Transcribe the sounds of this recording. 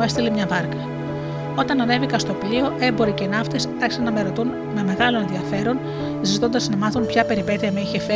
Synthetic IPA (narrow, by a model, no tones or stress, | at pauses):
e̞st̪ilemɲɐvɐɾkɐ | o̞t̪ɐnɐne̞vikɐst̪o̞plio̞ʔe̞mbo̞ɾicenɐft̪e̞sɐçi̥sɐnːɐme̞ɾo̞t̪un | meme̞ɣɐlo̞ne̞nðiɐfe̞ɾo̞n | zit̪o̞nd̪ɐznɐmɐθunpçɐpe̞ɾipe̞ðiɐmeiçe̞fe